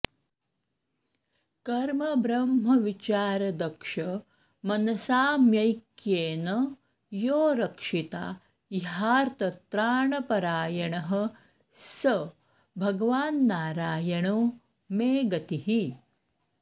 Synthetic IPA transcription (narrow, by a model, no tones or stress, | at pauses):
kɐɾmɐbɾɐmɦɐʋit͡ʃaːɾɐd̪ɐkʂɐ | mɐnɐsaːmjɐjkjeːnɐ | joːɾɐkʂit̪a̰ː | iɦaːɾt̪ɐt̪ɾaːɳɐpɐɾaːjɐɳɐɦɐ̆ | sɐ | bʱɐɡɐʋaːnːaːɾaːjɐɳoː | meːɡɐt̪iɦi